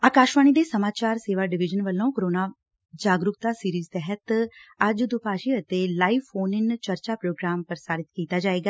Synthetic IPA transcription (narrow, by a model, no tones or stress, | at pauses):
aːkaːʃʋaːñiːd̪eːsəmaːt͡ʃaːɾseːʋaːɖɪʋɪd͡ʒənʋəlːõːkəɾoːnaː | d͡ʒaːɡɾʊk̚t̪aːsiːɾiːzt̪ɛɦət̪əd͡ʒd̪ʊpaːʃiːət̪eːlaːiːfʰoːnɪnt͡ʃəɾt͡ʃaːpɾoːɡɾaːmpəɾsaːɾɪt̪kiːt̪aːd͡ʒaːeːɡaː